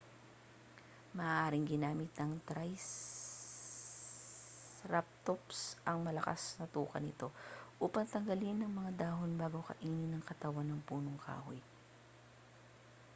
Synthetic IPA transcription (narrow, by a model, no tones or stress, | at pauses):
mɐʔʔaːɾɪŋɡɪnaːmɪt̪̚nɐŋt̪ɾajs | ɾap̚t̪opsʔɐŋmɐlɐka̰snɐt̪uːkɐ̰nɪt̪o̞ʔuːpɐŋt̪ɐŋɡɐlinːɐŋmɐŋad̪aːɦonbaːɡowkɐ̰ʔiːnɪnɐŋkɐt̪ɐwanːɐŋpuːno̞ŋkʰa̰ːɦo̰j